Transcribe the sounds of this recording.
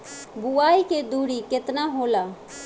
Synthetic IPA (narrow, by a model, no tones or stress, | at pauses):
buaːiked̪uɽikɪt̪naɦola